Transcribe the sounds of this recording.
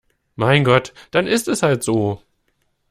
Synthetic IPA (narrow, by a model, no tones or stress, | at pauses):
maɪnɡɔtd̥anɪstɛshaltz̥oː